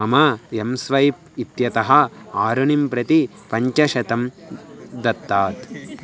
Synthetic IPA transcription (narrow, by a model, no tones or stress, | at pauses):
ɐmɐɐmsʋɐjp | it̪jɐt̪ɐɦɐaːɾunimpɾɐt̪i | pɐɲt͡ʃɐʃɐt̪ɐm | d̪ɐt̪ːaːt̪